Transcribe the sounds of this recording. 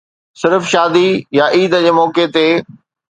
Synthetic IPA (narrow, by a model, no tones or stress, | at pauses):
sɪɾfʃaːd̪ijaʔiːd̪əd͡ʑeːmɔːket̪eː